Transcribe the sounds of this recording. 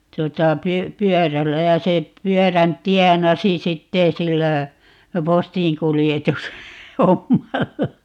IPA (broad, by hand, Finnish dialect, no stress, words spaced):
tŭotɑ py pyœˑrælːæ jɑ se pyœˑræn tiɛnɑsi sitːeː silːæ postĩːkulijetus homːɑlːɑ